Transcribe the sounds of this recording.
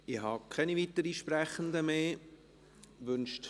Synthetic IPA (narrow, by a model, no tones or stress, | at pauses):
ɪhɑkʰɛnivit̪əɾiʃpɾɛχənd̪əmeː | ʋʏnʃt